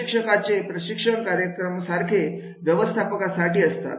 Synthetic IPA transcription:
kʂəkat͡sepɾəɕikʂəɳkaɾjəkɾəmsaɾkʰe | ʋjəʋəst̪ʰapəkasaʈiːəst̪a̰t̪

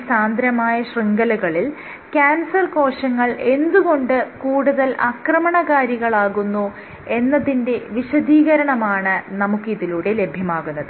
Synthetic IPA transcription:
saːnd̪ɾɐmaːjɐɕriŋɡɐlɐɣɐɭil | kaːnsɐrko̞ːɕɐŋːɐɭʔe̞nd̪uɣo̞ɳɖɨkuːɽuðɐlʔɐkrɐmɐɳɐɣaːɾjiɣɐɭaːɣunːu | e̞nːɐðinde̞ʋiɕɐd̪iːɣɐɾɐɳɐmaːɳɨnɐmukːɨiðiluɽe̞le̞bʱjɐmaːɣunːɐðɨ

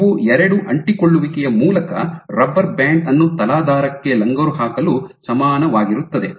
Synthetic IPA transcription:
ʋuɛɾɐɽuʔɐɳʈikoɭːuʋikɛjɐmuːlɐkɐ̰ɾɐbːɐɾbaːɳɖɐnːut̪ɐlaːd̪ʱaːɾɐkːe̞lɐŋɡɐɾuɦaːkɐlusɐmaːnɐʋaːɡiɾut̪ːɐd̪e

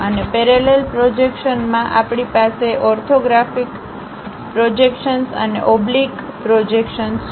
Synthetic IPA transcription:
ənepeɾelelpɾod͡ʒekʃənmãʔapɽipaseʔɔɾt̪ʰoɡɾafik | pɾod͡ʒekʃənsə̰nḛʔɔblik | pɾod͡ʒekʃəns

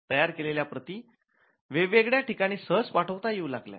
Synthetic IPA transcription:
t̪əjaɾkeleljapɾət̪iː | ʋeʋeɡɭjaʈikaɽ̃iːsəɦd͡zpaʈʰəʋt̪ajeulaɡlja̰

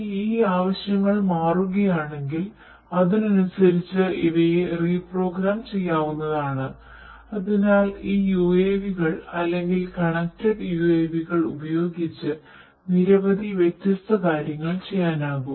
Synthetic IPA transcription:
iːaːʋɐɕjɐŋːɐɭmaːruɣɐjaːɳe̞ŋɡil | ɐðinɐnusɐɾit͡ɕːɨʔiʋɐjeriːpro̞ːɡɾaːmt͡ɕe̞jːaːʋunːɐðaːɳɨ | ɐðinaːliːjueːʋiɣɐɭɐlːe̞ŋɡilkɐɳɐk̚tɐɖjueːʋiɣɐɭubɐjo̞ːɡit͡ɕːɨ | niɾɐʋɐðiʋjek̚t̪ːɐst̪ʰɐkaːɾjɐŋːɐɭt͡ɕe̞jːaːnaːɣum

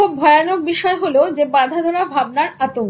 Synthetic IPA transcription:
ubbʱɔeanok̚biʃɔeɦolod͡ʑebad̪ʱad̪ʱɔɽabʱab̚naɾat̪oŋ

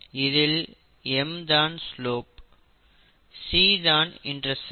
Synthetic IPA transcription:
ɪðɪl | emd̪ãːnsloːp | siːzãːnɪ̰̃ɳɖɾɐs

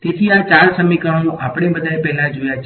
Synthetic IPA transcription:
t̪et̪ʰiat͡ʃaɾsəmikəɽ̃ũʔapɽ̃ebəd̪ʱaepɛɦlãd͡ʒojat͡ʃʰ

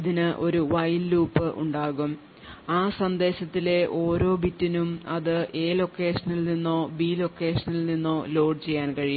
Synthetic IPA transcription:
iðinɨʔo̞̰ɾuʋɐjlluːpːɨʔṵɳɖaːɣum | aːsɐnd̪e̞ːɕɐt̪ːile̞ʔo̞ːɾo̞ːbitːinumɐðɨʔe̞ːlo̞kːe̞ːʂɐnilninːo̞ːbiːlo̞kːe̞ːʂɐnilninːo̞ːlo̞ːɖɨt͡ɕe̞jːaːnkɐɻiju

